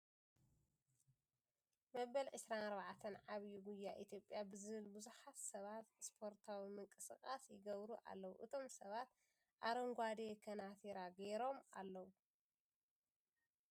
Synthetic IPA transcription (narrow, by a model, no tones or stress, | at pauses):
mɐβɐlʕɨsɾanɐɾβaʕt̪ʰɐnʕaβjuɡujːaʔit̪ʰjo̞pʼːjabɨzɨβɨlbuzuħat̪sɐβat̪spʰo̞ɾt̪ʰawimɨŋkʼɨsɨkʼasjɪɡɐβɾuʔa̰lːɐwṵʔɨt̪ʰo̞msɐβat̪̚ | ʔaɾɐŋɡʷad̪ekʰɐnat̪ʰiɾaɡeɾo̞ma̰lːɐwu